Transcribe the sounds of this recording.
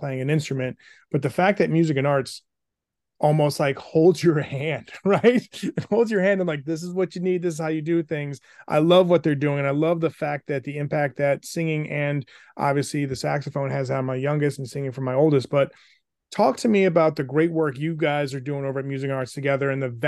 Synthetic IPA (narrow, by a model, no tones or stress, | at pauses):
pʰl̥eɪɪ̃ŋɨ̃nɪ̃nstɹ̥ɨmɨ̃n̚ | b̥ʌt̪̚ðɨfæk̚ðɨt̚mjʉzɨkɨ̃nɑɹts | ʔɔlˠmoʊst̚ˡlaɪkhoʊlˠdzjə˞hæ̃nd̥ɹaɪt̚hoʊlˠzjə˞hæ̃ndə̃mlaɪk̚ðɪs̬ɨzwʌt͡ʃɨnid̪̚ðɪs̬ɨz̥haʊjɨdɨθɪ̃ŋz | ʔa̰ɪlʌvwʌt̪̚ðə˞dʉɪ̃ŋɨ̃naɪlʌvðəfæk̚t̚ðɨt̪̚ðiɪ̃mpʰæk̚t̪̚ðɨtsɪ̃ŋɪ̃ŋʔɨ̃n | ʔɑ̰bviɨsliðɨsæksɨfõʊ̃nɨzaɾʌmaɪjʌ̃ŋɡɨstn̩sɪ̃ŋɪ̃ŋfɹʌ̃maɪoʊlˠdɨst̚b̥ʌt̚ | tʰɔk̚tʰɨmiɨbaʊt̪̚ðɨɡɹeɪt̚wɜ˞kjɨɡaɪzə˞dʉɪ̃ŋoʊvə˞ɨt̚mjʉzɨkɨ̃nɑɹtstʰɨɡɛðə˞ɨ̃nðɨð